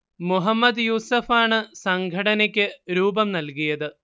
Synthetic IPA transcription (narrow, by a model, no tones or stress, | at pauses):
muɦɐmːɐd̪juːsɐfaːɳɨsɐŋɡʱɐɽɐnɐkʲːɨɾuːbɐmnɐlkujɐðɨ